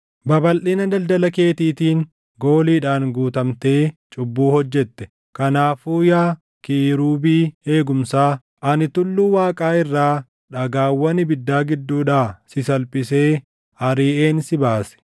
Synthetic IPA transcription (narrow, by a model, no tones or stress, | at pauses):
bɐbɐlʔiːnɐd̪ɐld̪ɐlɐke̞ːt̪iːt̪iːŋ | ɡo̞ːliːᶑaːŋɡuːt̪ɐmt̪e̞ːt͡ʃʼʊbːuːhɔd͡ʒːɛt̪ːɛ̥ | kɐnaːfuːjaː | kɪːɾuːbiːhe̞ːɡʊmsaː | ʔɐnɪt̪ʊlːuːwaːkʼaːɪrːaː | ᶑɐɡaːwːɐnɪbɪd̪ːaːɡɪd̪ːuːᶑaːsɪsɐlpʼɪse̞ː | ɐɾiːʔe̞ːnsɪbaːsɛ̥